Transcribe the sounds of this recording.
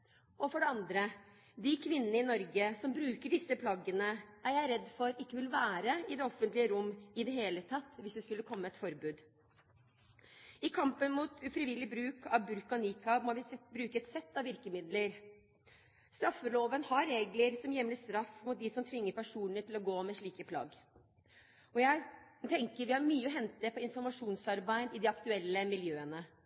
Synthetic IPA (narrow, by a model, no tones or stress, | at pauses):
ɔfɔɖɛɑnd̪ɾə | d̪ɪkʰʋɪnːənəɪnɔɾɡəsɔmbɾʉːkəɖɪsːəpʰlɑɡənəæɾjæɪɾɛd̪ːfɔɾɪkːəʋɪlʋæːɾəɪd̪ɛɔfːənt̪lɪəɾʊmːɪd̪ɛɦeːlət̪ʰɑt̪ːʋɪsd̪ɛskʉlːəkʰɔmːəɛt̪fɔɾbʉːd̪ | ɪkʰɑmpənmut̪ʉfɾɪʋɪlːɪbɾʉːkɑʋbʉɾkɑnikɑmɔʋɪbɾʉːkəɛt̪sɛt̪ːɑʋʋɪɾkəmɪd̪ləɾ | st̪ɾɑfːəloːʋənhɑɾːeːɡləɾsɔmjɛmləst̪ɾɑfmʊt̪̚d̪ɪsɔmt̪ʰʋɪŋːəɾpæʂuːnnət̪ʰɪlɔɡoːmɛʂɭiːkəpʰlɑ̰ːɡ | ɔjæɪt̪ʰɛŋkəɾʋɪhɑɾmyːəɔɦɛnt̪əpʰɔɪnfɔɾmɑʂuːnsɑɾbæɪd̪ɪd̪ɪɑkt̪ʉɛlːəmɪljøːənə